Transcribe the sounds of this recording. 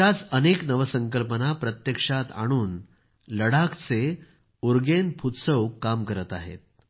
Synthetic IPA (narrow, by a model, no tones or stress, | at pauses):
at͡səneknəʋəsəŋkəlpənapɾət̪jəkʂat̪a̰ɽ̃uːn | ləɽakt͡se | uɾɡenpʰut̪səwkːamkəɾət̪a̰ɦḛt̪̚